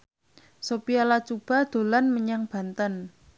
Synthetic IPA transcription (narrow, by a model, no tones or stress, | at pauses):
sopialat͡ʃub̥a̤d̪̥o̤lanməɲaŋb̥a̤nt̪ən